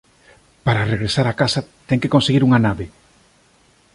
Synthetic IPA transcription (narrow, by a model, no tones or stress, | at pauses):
paɾareɣɾesaɾakasat̪ɛŋkekonseɣiɾuŋanaβe